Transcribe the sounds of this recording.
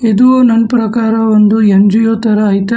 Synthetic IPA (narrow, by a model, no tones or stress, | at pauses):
ed̪uʋoːnɐnpɾɐkaːɾɐond̪uɐɲd͡ʒujoːt̪ɐɾɐːjt̪ɐ